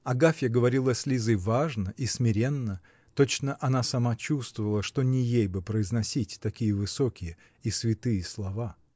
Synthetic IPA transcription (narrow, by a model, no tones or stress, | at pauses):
ɐɡafʲjəɡəvɐɾʲilˠɐsʲlʲizɨjvaʐnəʔismʲɪɾʲe̞nːə | t̪ot͡ɕnəʔɐnasɐmat͡ɕust̪vəvəlˠəʂt̪onʲɪjejbɨpɾəɪznɐsʲitʲt̪ɐkʲijəvɨsokʲɪjə | isvʲɪt̪ɨjəslˠɐva